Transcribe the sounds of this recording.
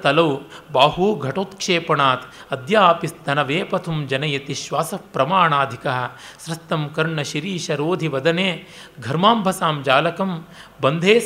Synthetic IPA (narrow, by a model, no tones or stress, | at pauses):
t̪ɐlɐwbaːɦuɡʱɐʈoːt̪kʂeːpɐɳaːt̪ | ɐd̪jaːpist̪ʰɐnɐʋeːpɐt̪ʰumd͡ʒɐnɐjɐt̪iʃʋaːsɐpɾɐmaːɳaːd̪ʱikɐɦɐ̆sɾɐst̪ːɐmkɐɾɳɐʃiɾiːʃɐɾoːd̪ʱiʋɐd̪ɐneː | ɡʱɐɾmaːmbʱɐsaːmd͡ʒaːlɐkɐmbɐnd̪ʱeː